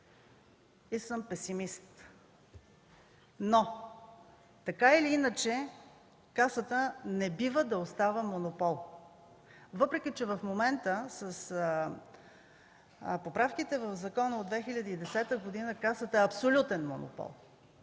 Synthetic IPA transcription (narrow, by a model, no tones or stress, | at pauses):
isəmpɛsimist̪ | no | t̪ɐkailiinət͡ʃɛ | kasət̪ənɛbivəd̪ɐost̪avəmonopɔlˠ | vɤpɾɛk̟it͡ʃɛvəfmomɛnt̪əsəs | popɾafkit̪ɛvəvzɐkɔnəod̪vɛxilʲəd̪əid̪ɛsɛt̪əɡod̪inəkasət̪əɛɐpsolʲut̪ɛnmo̰no̰pɔ̰lˠ